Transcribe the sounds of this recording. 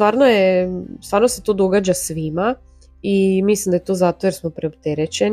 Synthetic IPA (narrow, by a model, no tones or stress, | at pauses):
t̪ʋaːɾnojest̪ʋaːɾnose̞t̪od̪o̞ɡaːd͡ʑasʋima | imislimd̪ajet̪oːzat̪o̞je̞ɾsmopɾeopt̪eɾet͡ɕen